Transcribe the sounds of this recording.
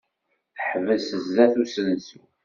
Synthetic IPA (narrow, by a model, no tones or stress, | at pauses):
θəħvəðsəzːæθusənsu